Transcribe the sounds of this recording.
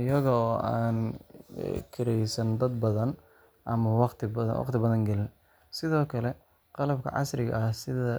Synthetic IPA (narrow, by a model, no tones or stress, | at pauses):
ɪjɐɣɐːaːn̰ | kʰɪɾɛjsɐnd̪ɐd̪bɐðɐn | ʔɐmɐwɑqt̪ʰɪb̰wɑ̰qt̪ʰɪbɐðɐŋɡɛlɪn | sɪðɔːkʰɐlɛ | qɑlɐb̚kʰɐ̰ʕɑ̰sɾɪɣɐ̰ɐhsɪðɐ